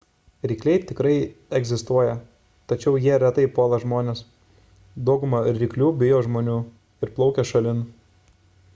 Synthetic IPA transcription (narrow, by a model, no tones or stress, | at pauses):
ɾʲɪkʲlʲɛɪt̪ʲɪkɾɐɪɛɡʲzʲɪst̪uɔjɛ | t̪ɐt͡ʃʲɛʊjiɛɾʲɛt̪ɐɪpoːlˠɐʒmoːnʲeːs | d̪ɔʊɡʊmɐɾɾʲɪklʲuːbʲɪjoːʒmoːnʲuː | ɪɾplˠɒʊkʲɛʃɐlʲɪn